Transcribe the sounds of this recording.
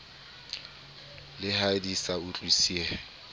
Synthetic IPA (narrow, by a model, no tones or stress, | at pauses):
lɪhadisaʊt͡ɬʼisiɛ